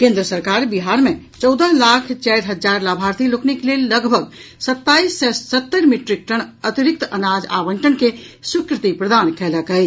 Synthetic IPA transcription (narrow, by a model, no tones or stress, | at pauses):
kẽnd̪ɾəsəɾkaɾbiɦaɾme | t͡ʃɔwd̪əlakʰt͡ʃajɾɦəd͡ʒaɾlabʱaɾt̪iloknikelelːəɡbʱəɡsət̪ːaisːɛət̪ːəɾmiʈɾik̚ʈəɳ̃ət̪iɾik̚t̪ənad͡ʒa̰bəɳʈənkesukɾɪt̪ipɾəd̪ankɛləkəɪt͡ʃʰ